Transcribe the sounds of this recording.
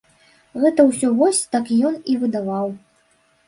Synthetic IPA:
ɣɛt̪ɐwsʲɔvɔsʲt̪akjɔnivɨd̪avaw

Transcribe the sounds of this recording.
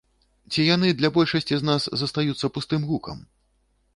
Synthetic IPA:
t͡sʲijanɨd̪lʲabɔlʲʂɐsʲt͡sʲiznaszɐst̪ajut̪sːɐpust̪ɨmɣukɐ̰m

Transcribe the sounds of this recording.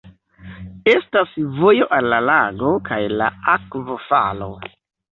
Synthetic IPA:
e̞stasvo̞jo̞ʔalːalaɡo̞kajla̰akvofa̰lo̞̰

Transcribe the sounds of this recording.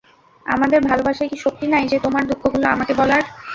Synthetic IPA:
a̰mad̪eɾbʱalobaʃaekiʃok̚t̪inajd͡ʑet̪omaɾd̪ukʰːoɡuloa̰makebɔlaɾ

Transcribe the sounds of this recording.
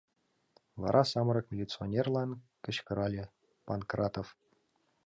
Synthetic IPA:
ʋɑ̰ɾʔɑsɑmɾɤ̆kmʲelʲit̪t͡sɨonʲerlˠɑnkɘ̆ɕkɤ̆ɾɑlʲĕ | pɑnkrɑt̪of

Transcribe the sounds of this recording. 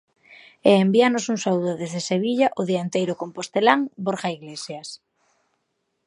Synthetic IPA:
ɛembianosuŋsauðoðezðeseβ̞iʎaʔoðiant̪ejɾʊkompost̪elaŋboɾɣaiɣlesjas

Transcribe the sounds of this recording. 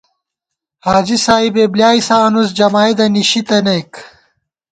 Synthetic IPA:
haːd͡ʑisaːibeːblijaːisaːnus̬d͡ʑɐmaːid̪ɐniɕit̪ɐnek

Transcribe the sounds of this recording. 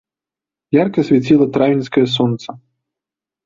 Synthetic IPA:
jarkɐsʲvʲɛt͡sʲilˠɐt̪ɾavʲinʲsʲkɐjɐsɔnt̪sɐ

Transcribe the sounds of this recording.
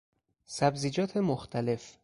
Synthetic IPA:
sæbziːd͡ʒɒːt̪ʰe̞moxt̪ʰæle̞f

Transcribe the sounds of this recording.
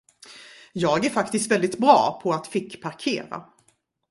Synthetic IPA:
jɑːɡæɾfakt̪ɪst̪vɛlɪt̪bɾɑ̰ːpʰɔat̪fɪkːpʰaɾkʰḛːɾa̰

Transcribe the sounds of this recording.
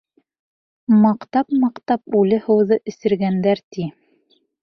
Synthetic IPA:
mɑqt̪ɑpmɑqt̪ɑp̚ʉlɘhɤ̆wðɤʔɘ̆sɘ̆ɾɡænd̪æɾt̪i

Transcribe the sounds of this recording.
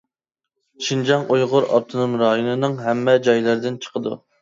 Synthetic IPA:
ʃʰind͡ʒɑŋʔujʁʊɾɑ̰ɾ̚t̪ʰɨnumɾɑjonɨnɨŋɦɛmːɛd͡ʒɑjlˠɨɾd̪ɪnt͡ʃʰə̥qəd̪ṵ

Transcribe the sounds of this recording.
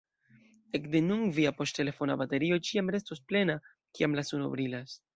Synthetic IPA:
e̞kde̞nuŋviapo̞ste̞le̞fo̞nabate̞ɾio̞t͡ʃiamɾe̞stosple̞na | kiamlasuno̰bɾilas

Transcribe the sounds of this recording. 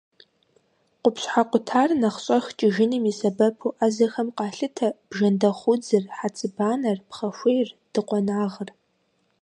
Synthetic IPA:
qʷʊpɕħaqʷʊtʰaːrnɐχɕʼɐxt͡ʃʼɪʒɪnɨmisɐbɐpʰuːʔazɐxɐmqɑːɬɨtʰɐb̥ʒɐndɐχʷʊd͡zɨrħat͡sʼɨbaːnɐrpχɐʃʷejrd̥ɨqʷʼɔnaːʁər

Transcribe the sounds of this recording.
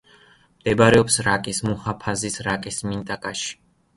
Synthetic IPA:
md̪̥ɛbaɾɛɔpsɾakʼismuhapʰazisɾakʼismint̪ʼakʼaʃi̥

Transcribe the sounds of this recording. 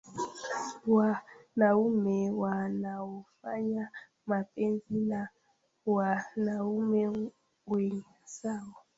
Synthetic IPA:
wanaumɛwanaufa̰ɲa | mapʼenzina | wanaumɛ | wɛŋasawɔ

